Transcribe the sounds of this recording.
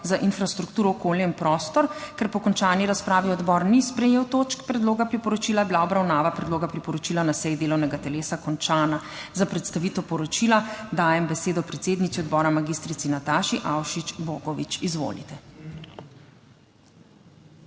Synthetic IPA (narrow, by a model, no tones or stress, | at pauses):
zaʔinfɾast̪ɾukt̪uːɾɔːkoːljainpɾɔːst̪ɔɾkɛɾpɔkɔnt͡ʃaːniɾaspɾaːʋiɔd̪bɔːɾnispɾɛjeːwt̪oːt͡ʃkpɾɛd̪loːɡapɾipɔɾɔt͡ʃiːlajɛbilaɔbɾawnaːʋapɾɛd̪loːɡapɾipɔɾɔt͡ʃiːlanasɛjd̪eːlɔwnɛɡat̪ɛleːsakɔnt͡ʃaːna | zapɾɛt̪st̪aʋiːt̪ɛwpɔɾɔt͡ʃilad̪aːjɛmbɛseːd̪ɔpɾɛt̪seːd̪nit̪iɔd̪bɔːɾamaɡist̪ɾit̪sinat̪aːʃiʔawʃit͡ʃboːɡɔʋḭt͡ʃizʋo̰ːlḭt̪ɛ